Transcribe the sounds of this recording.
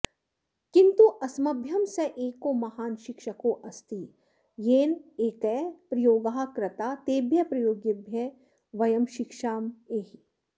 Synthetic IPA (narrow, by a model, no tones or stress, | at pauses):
kɪnt̪uʔɐsmɐbʱjɐmseʔeːkomɐhaːnʃɪkʃɐkoʔɐst̪i | jeːneːkɛpɾɐjoːɡaːɦkɾɪt̪aːt̪eːbjɐpɾɐjoːɡjebʱjɐ | ʋɐjɐmʃɪkʃaːmeːɦi